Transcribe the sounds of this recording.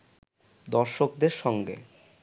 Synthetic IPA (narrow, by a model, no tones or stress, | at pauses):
d̪ɔɾʃokd̪eɾʃɔŋɡḛ